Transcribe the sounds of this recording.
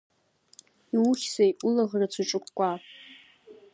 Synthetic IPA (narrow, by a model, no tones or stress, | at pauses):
iwuχʲsajʔʷʼʊlaʁrat͡sʰuʈ͡ʂʼɨkʷʼkʷʼa